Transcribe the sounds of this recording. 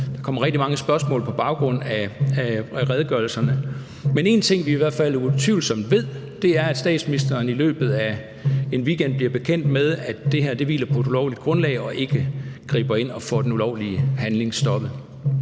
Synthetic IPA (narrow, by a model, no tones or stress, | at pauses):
d̥ɑ̈kʰɒ̽m̰ɐʁɛɡ̥̚d̥imɑ̈ŋəsb̥ɶɐsmɔ̰lpʰɒ̽b̥ɑ̈ʊɡ̥ʁɔ̽n̰æ | ʁɛðˠɡ̥ɶɐl̩sɐnə | mene̝nt͡sʰe̝ŋ̰ʋiiʋæɐd̥fæl̰ut͡sʰiʊlsɒ̽m̰d̥ʋe̝ð̰ˠd̥e̝æɐæd̥sd̥ɛ̰ːd̥sminisd̥ɐːnilø̰ːb̥ð̩ˠæ | e̝nʋiːɡ̥en̰d̥̚b̥liɐb̥e̝kʰen̰d̥með̞ˠæd̥e̝ɦæɐ̰d̥e̝ʋḭːlɐpʰɒ̽e̝d̥ulɒʊlid̥ɡ̥ʁɔ̽nlɛ̰ɪɒ̽ʔe̝ɡ̥əɡ̥ʁḭːb̥ɐe̝n̰ɒ̽fɒ̰ːd̥enulɒʊ̰liəhænle̝ŋsd̥ɒ̽b̥ð̩ˠ